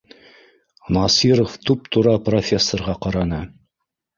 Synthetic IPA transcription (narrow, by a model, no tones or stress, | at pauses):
nɑsiɾoft̪ʉp̚t̪ʰuɾɑprofʲesːorʁɑqɑɾɑnɤ